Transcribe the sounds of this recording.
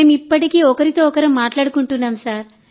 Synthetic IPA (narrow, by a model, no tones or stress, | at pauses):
mipːɐʈikiːɔkɐɾit̪oːɔkɐɾɐmːaːʈlaːɽukuɳʈunːaːmsaːɾ